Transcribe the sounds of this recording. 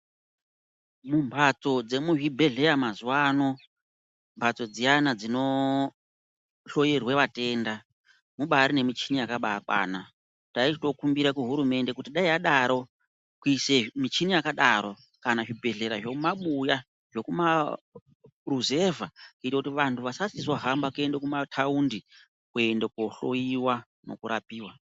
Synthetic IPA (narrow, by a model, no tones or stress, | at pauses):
mumbʱat͡so̞d͡ze̞muʐibʱe̞ɮe̞jamazuwaːno̞ | mbʱat͡so̞d͡zijanad͡zino̞ | ɬo̞jerwe̞ʋate̞ːnda | muɓaɾine̞mit͡ʃinijakaɓaːkwa̰ːna | tait͡ʃito̞kumbiɾakuɦuɾume̞nde̞kutiɗaiaɗaɾo̞ | kuise̞mit͡ʃinijakaɗaɾo̞ | kanaʐibʱe̞ɮe̞ɾaʐo̞kumaɓuja | ʐo̞kuma | ruze̞vakitwakutiʋantʰuʋasasiswaɦambakue̞ndekumatʰaundi | kue̞ndekoɬo̞̰jiwa | no̞̰kuɾapiːwa